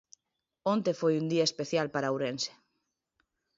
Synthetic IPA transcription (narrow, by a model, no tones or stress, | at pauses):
õnt̪efojund̪iaespeθjalpaɾawɾense̥